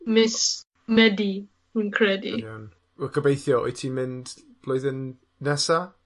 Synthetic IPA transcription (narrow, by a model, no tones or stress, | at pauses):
mɪs | mɛdi | hunkʰɾɛdḭan | wɛkʰəbejθjɔɔ̰jtʰiːmɪnd̥ | b̥lɔjðɪnː | ɛsa